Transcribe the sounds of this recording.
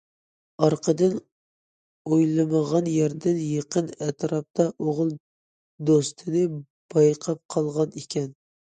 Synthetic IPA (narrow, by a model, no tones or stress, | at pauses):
ɑɾqʰəd̪ɨn | ojlˠɨməʁɑnjæɾd̪ɪnjeqənɛt̪ɾɑp̚t̪ʰɑʔoʁlˠ | d̪ost̪ʰɨnɨ | b̥ɑjqʰɑp̚qʰɑlˠʁɑnekʲʰɛn